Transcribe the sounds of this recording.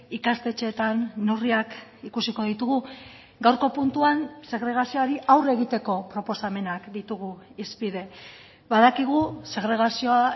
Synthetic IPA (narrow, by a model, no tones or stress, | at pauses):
ikast̪e̞t͡ʃe̞ːt̪anːuriakikusiko̞ðit̪uɣ̞u | ɡawɾko̞punt̪uanse̞ɣɾe̞ɣ̞asio̞aɾiʔawre̞ɣit̪e̞ko̞pɾo̞po̞same̞nakd̪it̪uɣ̞uispiðe̞ | βaðakiɣuse̞ɣɾe̞ɣ̞asio̞a